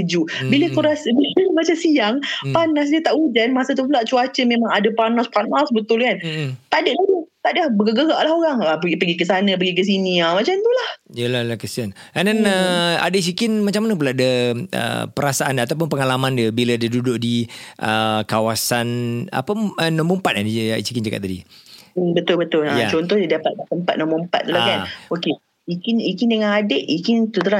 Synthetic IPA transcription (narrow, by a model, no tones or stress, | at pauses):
d͡ʒubiləkuɾasbiləmat͡ʃasijaŋpanas̬dət̪aʔud͡ʒanmasət̪̬upulaʔt͡ʃuat͡ʃəmemaŋadəpanɔspanɔsbət̪ʊlkant̪aʔdəʔdut̪aʔdbəɡəɡəɡaʔlaɦoɾaŋəpəipəɡikəsanə̃pəɡik̬əs̬iniamat͡ʃamnt̪ulahjəlalahkəsian | andanəa̰dais̬ikɪnmat͡ʃamanəp̬ulaʔdəə̰pəɾasaʔanat̪apʊnpəŋalamãndiəbilədədudʊʔ̚diʔəkawasana̰pəənɔməmpat̪̚kadiisikind͡ʒakat̪ːadḭ | bət̪ʊlbət̪ʊlajat͡ʃɔnt̪ɔhdadapat̪̚lat̪əmpat̪̚nɔmɔəmpa̰t̪̚ːlakanoke | ikinikindəŋanadeʔikɪnt̪ut̪uɾa